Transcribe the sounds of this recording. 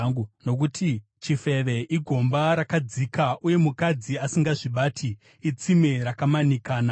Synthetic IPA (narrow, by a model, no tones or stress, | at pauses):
uno̞kutʰi | t͡ʃife̞ʋe̞ʔiɡʱo̞mbaɾakad͡zikaʔuje̞mukad͡ziasiŋɡaʐiɓaːtʰiː | t͡simeɾakamanikaːna